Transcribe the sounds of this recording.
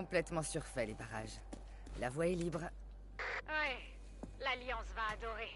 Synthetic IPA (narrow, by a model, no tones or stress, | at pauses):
ɔ̃plɛt̪mɑ̃syʁfɛlepaʁaʒ | lavwaɛlibʁ | wi | laljɑ̃svaːd̪ɔʁe